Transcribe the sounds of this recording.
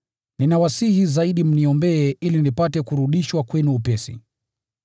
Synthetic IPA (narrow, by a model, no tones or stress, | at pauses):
ninawasihizaiɗim̩niɔmbɛːʔilinipatɛkuɾuɗiʃwakwɛnuːpɛsḭ